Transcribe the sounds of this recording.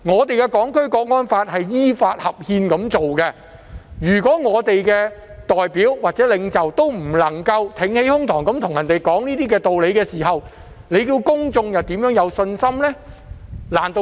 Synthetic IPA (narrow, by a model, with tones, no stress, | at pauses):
ŋɔː˨˧t̪e˨jkɛ˧kɔː˨˥ŋkʰɵ˥ɥkɔː˧k̚ŋɔː˥nfaː˧t̚hɐ˨jjiː˥faː˧t̚hɐ˨p̚hiː˧nkɐ˨˥mt͡so˨wkɛ˧ | jyː˨˩kɔː˨˥ŋɔː˨˧t̪e˨jkɛː˧ | t̪ɔː˨jpiː˨˥wwaː˨t̚t͡sɛː˨˥lɪ˨˧ŋt͡sɐ˨wt̪o˥wm̩˨˩lɐ˨˩ŋkɐ˧wt̪ʰɪ˨˥ŋhe˨˥jhʊ˥ŋt̪ʰɔː˨˩ŋkɐ˨˥mt̪ʰʊ˨˩ŋjɐ˨˩nt̪e˨jkɔː˨˥ŋniː˥t̪iː˥kɛː˧t̪o˨wle˨˧jkɛː˧siː˨˩ɦɐ˨w | le˨˧jkiː˧wkʊ˥ŋt͡sʊ˧ŋjɐ˨wt̪iː˨˥mjœː˨˥ŋjɐ˨˧wsɵ˧nsɐ˥mlɛː˥ | laː˨˩nt̪o˧